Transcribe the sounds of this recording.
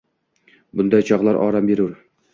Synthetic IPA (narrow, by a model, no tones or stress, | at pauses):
bʊnd̪ɒjt͡ʃʰɒʁlˠɑɾɒ̰ːɾambeɾuɾ